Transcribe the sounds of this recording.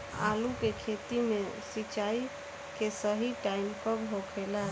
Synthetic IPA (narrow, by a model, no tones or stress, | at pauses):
a̰lukekʰet̪imesit͡ʃai | kesəɦiʈaimkɔɡɦokʰela